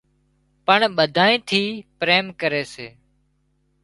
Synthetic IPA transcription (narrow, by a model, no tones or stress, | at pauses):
pəɳɓəd̪ʱaːĩːt̪ʰiːpɾeːmkəɾeːseː